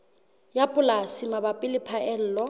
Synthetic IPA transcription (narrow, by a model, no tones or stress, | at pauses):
japʼʊlasɪmabapʼɪlɪpʰaʔɛl̩ːlɔ